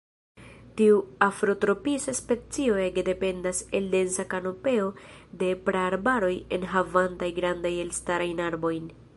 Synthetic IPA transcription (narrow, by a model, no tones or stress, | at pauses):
tiuafɾo̞tɾo̞pisaspe̞t͡sio̞e̞ɡede̞pe̞ndase̞lde̞nsakano̞pe̞o̞de̞pɾeaɾbaɾo̞je̞̰nɦavantajɡɾandaje̞lstaɾajnaɾbo̞jn